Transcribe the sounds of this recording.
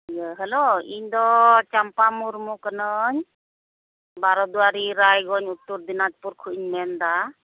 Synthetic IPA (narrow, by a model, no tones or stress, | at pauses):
jəɦəloiɲd̪ɔt͡ʃampamuɾmukənɯɲ | baɾɔd̪uaɾiɾajɡɔɲut̪ːuɾd̪inat̪̚puɾkʰuʔiɲmɛnd̪a